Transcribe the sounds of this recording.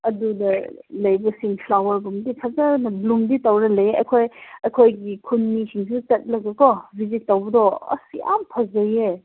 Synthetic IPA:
ɐdudɐlɐjbɐsiŋpʰlawɐɾbuŋdipʰɐzaɾnɐluŋditɐwɾɐlɐjeʔɐ̰kʰojɐkʰojɡikʰunmisiŋs̬ut͡ʃɐt̚lɐkekɔbʱizit̚ːɐwbɐdɔɐ̰sḭja̰mpʰɐzɐje

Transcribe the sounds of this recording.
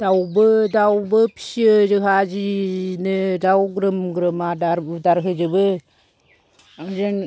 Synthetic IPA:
d̥awbɯdawbɯpi̥siəd͡ʒɯɦad͡ʒinɯdawɡɾɯmɡɾɯmadaɾdaɾɦɯd͡ʒɯbɯ | ɾen

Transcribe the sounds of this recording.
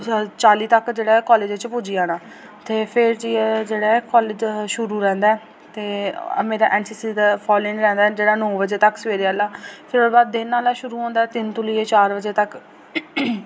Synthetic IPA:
t͡ʃaːliːt̪əkd͡ʒeːɽaːkɔːleːd͡ʒeːt͡ʃpʊd͡ʒiːaːnãː | t̪eːpʰɪɾd͡ʒiːɛːd͡ʒeːɽaːkɔːled͡ʒʃʊɾuːɾɛ̃ːnd̪aɛː | t̪eːmeːɾaːʔɛ̃ːnsiːsiːd̪aːpʰɔːlɪ̃nɾɛ̃ːnd̪aːɛːd͡ʒeːɽaːnoːbəd͡ʒeːt̪əksəʋeːɾaːlaːpʰɪɾoːbaːd̪̚ːɪnːaːlaːʃʊɾuːɔ̃ːnd̪aːt̪ɪnt̪ʊliːeːt͡ʃaːɾbəd͡ʒeːt̪ək

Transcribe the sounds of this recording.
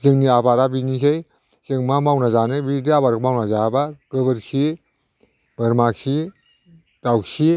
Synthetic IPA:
zɯŋniabaɾabinisej | zɯŋmamawnazanɯbidiabaɾɡmawnazabaɡ̥ɯbɯɾsʰi | b̥ɯɾmaksʰi | d̥awsi

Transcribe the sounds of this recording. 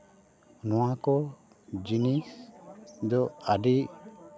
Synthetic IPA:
nɔwakɔ | d͡ʒinis | d̪ɔaɖiʔ

